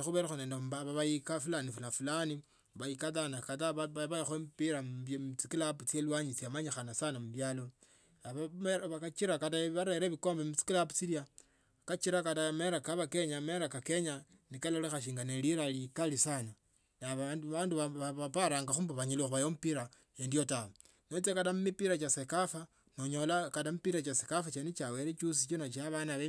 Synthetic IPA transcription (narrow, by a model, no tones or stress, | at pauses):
ixuβeɾaxoneːndembaβaβaikafulanifunafulani | βaikatanakataββaixoempiɾamt͡sikilaput͡selwaɲit͡siamaɲixanasanamuβjaːlo̞ | aβaβakat͡ʃiɾakataβaɾeɾeβikombemut͡si̥kilapu̥t͡silja | kat͡ʃiɾakatameɾakaβakeɲameɾakake̞ɲa | nikalolexaʃ̬iːŋɡaneliɾalikalisana | naβaaːnduβaβapaɾaːŋɡaxuːmbaβaɲilixuβajomupiɾa | jendiotao | not͡sekatamumipiɾat͡ʃasekafa | noɲolakatamupiɾat͡ʃasekafat͡ʃenit͡ʃaweɾet͡ʃus̬it͡ʃonat͡ʃiaβanaβe